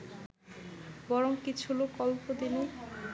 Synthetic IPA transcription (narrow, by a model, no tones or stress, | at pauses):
bɔɾoŋkit͡ɕʰulokɔlpod̪ini